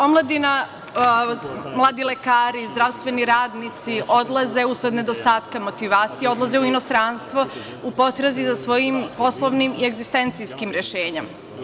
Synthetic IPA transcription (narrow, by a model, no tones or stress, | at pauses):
o̞mlˠad̪ina | mlˠaːd̪ilekaːɾizd̪ɾaʋst̪ʋe̞niɾaːd̪nit̪siʔo̞d̪lˠaze̞usɾed̪ne̞d̪o̞st̪aːt̪kamo̞t̪iʋaːt̪sijeo̞d̪lˠaze̞uino̞st̪ɾanst̪ʋo̞ | upo̞t̪ɾazizasʋo̞jimpo̞slˠoʋnimie̞ɡzist̪e̞nt̪sijskimɾe̞ʃeːɲem